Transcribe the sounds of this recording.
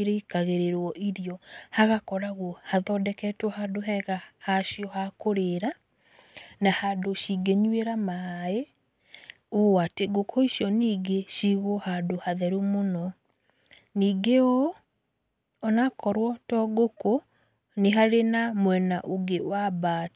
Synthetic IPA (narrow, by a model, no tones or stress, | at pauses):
ɾeikaɣeɾeɾwɔʔiɾiɔhaɣakɔɾaɣuɔhaðɔdɛkɛtwɔhadoɦɛɣahaʃiɔhakoɾeːɾa | nahadoʃiɡeɲweɾamae | oateɡokʰoiʃjɔniːɡeʃiɣɔhadohaðɛɾumonɔ | niːɡeo | ɔnakɔɾwɔtɔɡoko | neɦaɾenamwɛnaʔoɡewabaːt